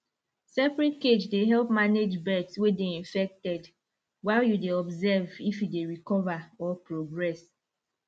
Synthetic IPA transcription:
sɛpɹɛtked͡ʒdeɦɛlpmaned͡ʒbɛdswedeĩɱfɛk̚tɛd | waɪljudeɔbzɛvifjudeɹikɔvaɔpɹoɡɹɛs

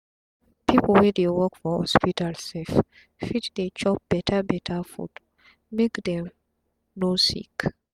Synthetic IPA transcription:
pʰipl̩wɛdewɔkfɔhɔ̰spitalsɛf | fitd̪et͡ʃɔp̚b̥ɛtʰabɛtʰafṵd | mekdɛ̃m | nosḭk

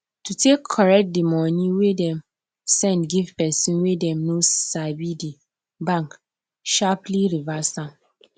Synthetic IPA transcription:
tutekʰːɔɹɛk̚t̚dimɔnĩwedɛ̃m | sɛ̃ndɡivpɛsĩnwedɛ̃mnosabidi | bãŋk | ʃapliɹivastãm

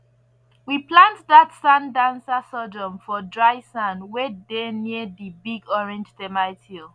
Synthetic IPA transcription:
wiplãntðatsãndãnsasɔd͡ʒɔ̃mfɔdɹaɪsãnwɛdeniəðibiɡɔɹɛ̃nd͡ʒtɛmaɪtʰil

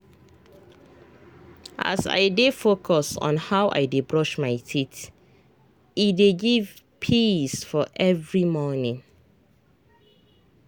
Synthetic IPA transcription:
ʔa̰sa̰ɪdefokʰɔsɔ̰̃nhawʔa̰ɪdebɹɔʃmaɪtit | ideɡiv | pʰisfɔʔɛvɹimɔnɪ̃ŋ

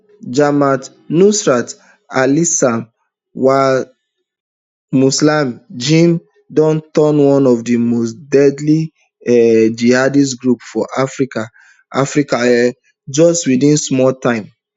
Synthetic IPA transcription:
d͡ʒamat | nusɹat | alisam | wa | muslamd͡ʒĩm | dɔ̃ntɔnwɔ̃nɔvdimostdɛdli | ɛd͡ʒihadis̬ɡɹupfɔʔafɹika | afɹikaɛ | d͡ʒɔstwidĩnsmɔltãɪ̃m

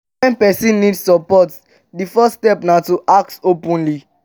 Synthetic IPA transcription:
ɛ̃npɛsĩnːidssɔpɔt | difɛstɛpnatuʔak̚topɔ̃nli

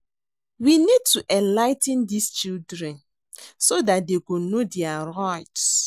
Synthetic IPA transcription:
winid̚tuʔɛ̃nlaɪtɛ̃ndist͡ʃildɾɛ̃n | sodat̚deɡonodɛaɾaɪt

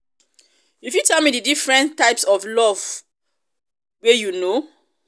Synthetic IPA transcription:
ifjutʰɛlˠmidɨdifɹɛ̃ntʰːaɪpsɔvlɔv | wejuno

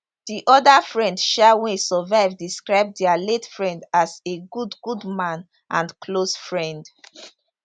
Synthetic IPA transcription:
d̥iʔɔdafɹɛ̃ndʃawẽsɔvaɪvdiskɹaɪb̚dɛaletfɹɛ̃ndaseɡudɡudmãn | ʔãnkʰlosfɹɛ̃nd

